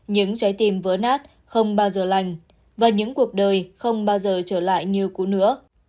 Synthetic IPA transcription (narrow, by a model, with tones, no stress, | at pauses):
ɲɨ̰˧˥ŋt͡ɕɔ˨˦jt̪i˨˩mvəː˨˦naː˦˥t̚ | xə˧wŋ͡mɓaː˧wzəː˨˩la˨˩jŋ̟ | vaː˨˩ɲɨ̰˧˥ŋku˨˩ək̚ɗəː˨˩jxə˧wŋ͡mɓaː˧wzəː˨˩t͡ɕəː˧˩la̰ː˧˨jɲɨ˧əwku˨˦nɨ̰˧˥ə